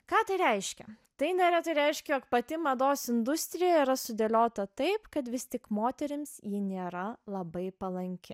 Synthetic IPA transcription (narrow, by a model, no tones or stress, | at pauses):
kɑːt̪ɐɪɾʲɛɪʃʲkʲɛ | t̪ɐɪnʲɛɾʲɛt̪ɐɪɾʲɛɪʃʲkʲɛjoːkpɐt̪ʲɪmɐd̪oːsɪnd̪ʊsʲt̪ʲɾʲɪjɛiːɾɐsʊd̪ʲelʲoːt̪ɐt̪ɐɪpkɐt̪ʋʲɪst̪ʲɪkmoːt̪ʲɛɾʲɪmsjiːnʲeːɾɐlˠɐbɐɪpɐlˠɐŋʲkʲɪ